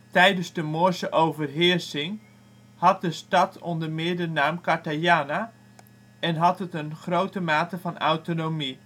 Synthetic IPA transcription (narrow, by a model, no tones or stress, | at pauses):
tɛjdənzdəmoəsəʔowvərɦɪrsɪŋ | hɑt̚dəstɑtʰɔndərmɪdənaːmkaɹtajaːna | ɛnɦɑtətənχrowtəmaːtəvɑna̰wtonomi